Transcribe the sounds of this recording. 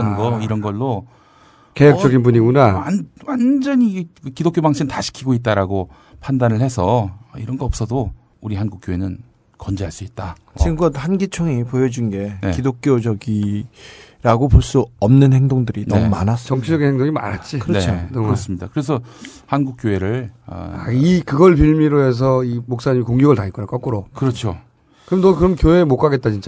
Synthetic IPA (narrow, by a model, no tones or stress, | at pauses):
ʌnɡʌiɾʌnɡʌɭːo | kejʌk̚t͡ɕ͈ʌɡinbuɲiɡonawawand͡ʑʌɲikɯkidok͈jobaŋɕʰimtaɕʰi̥kʰiɡoit̚t͈aɾaɡo | pʰandanɯɭhe̞sʰʌiɾʌnɡʌʌp̚s͈ʰʌdo | uɾihanɡuk̚k͈joenɯn | kʌnd͡ʑeaɭs͈uit̚t͈a | t͡ɕiɯmɡʌthanɡit͡ɕʰʌŋipojʌd͡ʑunɡe̞nekidok͈jod͡ʑʌɡi | ɾaɡopoɭs͈uʌmnɯnhe̞ŋdoŋdɯɾinʌmumanas͈t͡ɕʌŋt͡ɕʰid͡ʑʌɡinheŋdoŋima̰ɾat̚t͡ɕ͈ikɯɾʌonʌkɾʌs͈ɯmɲidakɯɾe̞sʰʌhanɡuk͈̚joe̞ɾɯɭ̰aikɯɡʌɭp̬iɭmiɾoɦe̞s̬ʰʌimok̚s͈aɲimikoŋjuɡɯɭtaikonak͈ʌk͈uɾokɯɾʌt͡ɕʰo | kɯɾʌmnʌkɯɾʌmkjoemok͈aɡe̞t̚t͈at͡ɕint͡ɕ͈a